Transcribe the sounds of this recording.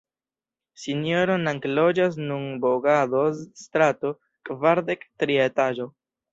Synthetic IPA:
sinjoɾo̞naŋklod͡ʒas̬nunboɡad̪oztɾato̞ | kvaɾdektɾie̞taʒo̞

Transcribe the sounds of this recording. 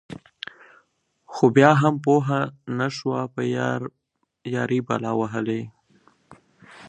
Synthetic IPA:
xobjɑɦampoɦanaʃwapə | jɑɾiba̰lɑwaɦəle

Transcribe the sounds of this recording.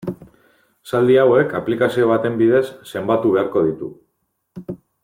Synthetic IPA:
sald̪iawe̞kaplikasio̞β̞at̪e̞mbið̞e̞sːe̞mbat̪uβ̞e̞aɾko̞ð̞it̪u

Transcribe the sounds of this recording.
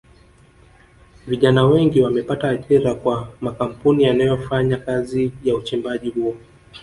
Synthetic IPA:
viʄanawɛŋɡiwamɛpataːʄiɾakwamakam̩punijanajɔfaɲakazijaut͡ʃimbaʄihuɔ

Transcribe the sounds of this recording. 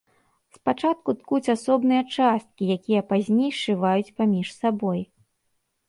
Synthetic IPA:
spat͡ʂat̪̚kut̪kut͡sʲasɔbnɨjɐt͡ʂast̪̚kʲijakʲijɐpazʲnʲejʂɨvajut͡sʲpamʲiʂsabɔj

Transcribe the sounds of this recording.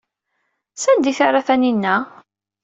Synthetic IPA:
sænd̪iθaɾˤaθæninːæ

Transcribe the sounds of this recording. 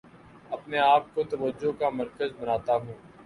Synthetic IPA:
ɐpneaːp̚kot̪ɐʋəd͡ʒːokamɐɾkəzbɐnaːt̪aɦũː

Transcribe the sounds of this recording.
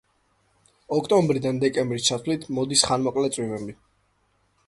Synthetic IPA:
ɔkʰt̪ʼɔmbɾid̪and̪ɛkʼɛmbɾist͡ʃʰat̪ʰvlit̪ʰmɔd̪isχanmɔkʼlɛt̪sʼwivɛmbi

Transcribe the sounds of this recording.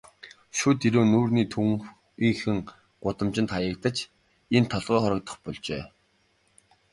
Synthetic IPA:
ʃut̪iɾoːnuːrniːt̪ʰuŋ | iŋxɘ̆ŋ | ɢ̥ʊt̪ə̆mt͡ɕɪ̆nt̪χajə̆kt̪ə̆t͡ɕ | ent̪ʰɔɮʁœːχɔɾɞ̆k̚t̪ə̥̆χpɔɮt͡ɕḛː

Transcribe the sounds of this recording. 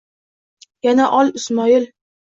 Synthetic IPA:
janaʔɒlˠɪsmɒɪl

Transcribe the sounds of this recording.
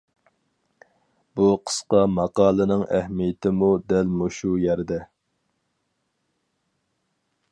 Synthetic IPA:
buqʰə̥sqɑmɑqɑːlˠɨnɨŋæhmijɪt̪ʰɪmud̪ɛlmuʃujɛɾd̪ɛ

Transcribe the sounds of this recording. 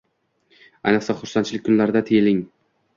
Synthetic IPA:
ajnɨqsaχʊɾsant͡ʃʰɪlɪk̚ʲkʰːʊnlaɾɪd̪at̪ʰejlɪŋ

